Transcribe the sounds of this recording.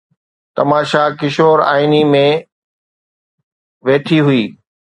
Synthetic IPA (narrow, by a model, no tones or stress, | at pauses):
t̪ɐmaːʃakɪʃoːɾa̰ːinimẽ | ʋeːt̪ʰiɦʊiː